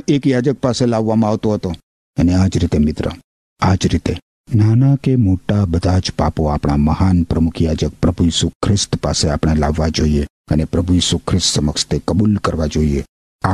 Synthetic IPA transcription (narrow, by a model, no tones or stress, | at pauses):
ekjad͡ʒək̚paselaʋːamãaʋt̪oɦət̪o | ənead͡ʒɾit̪emɪt̪ɾə̰ | ad͡ʒɾit̪e | nanakemoʈabəd̪ʱad͡ʒpapoapɽ̃aməhanpɾəmʊkʰjad͡ʒək̚pɾəbʱujiːsukʰɾɪst̪paseapɳ̃elaʋːad͡ʒoiekənepɾəbʱujiːsukʰɾɪst̪səməkʃt̪ʰekəbulkəɾʋad͡ʒoie | a